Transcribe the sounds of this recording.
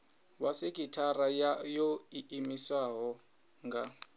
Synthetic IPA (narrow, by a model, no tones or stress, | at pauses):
wasekʼitʰarajoiimiswaɦɔ | ŋɡa